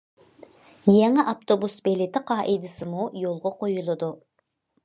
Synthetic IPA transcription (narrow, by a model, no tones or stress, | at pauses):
jɛŋɪʔɑpt̪ʰobusbelɪt̪ʰɪqʰɑːʔɪd̪ɪsɪmujolˠʁɑqojulˠɨd̪u